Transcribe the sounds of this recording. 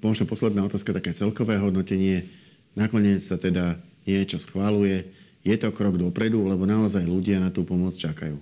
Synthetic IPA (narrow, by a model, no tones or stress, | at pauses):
mɔʒnɔpɔslɛd̪naːɔt̪aːskat̪akɛːt͡sɛlkɔʋɛːɦɔd̪nɔcɛɲɪɛ | nakɔɲɪɛt͡ssat̪ɛd̪aɲɪɛt͡ʃɔsxʋalujɛ | jɛt̪ɔkɾɔɡd̪ɔpɾɛd̪ulɛbɔnaɔzajluɟɪanat̪uːpɔmɔt͡st͡ʃaka̰juː